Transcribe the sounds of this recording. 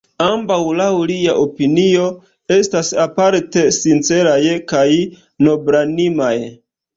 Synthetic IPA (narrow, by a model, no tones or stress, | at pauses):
ambawlawliaʔopinio̞ | e̞stasapaɾte̞sint͡se̞ɾajkaj | no̞bɾanimaj